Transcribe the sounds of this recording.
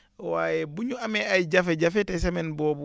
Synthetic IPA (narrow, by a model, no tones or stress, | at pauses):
waːjɛbuɲuamɛajd͡ʒafɛɟafɛtɛsɛmɛnbɔːbu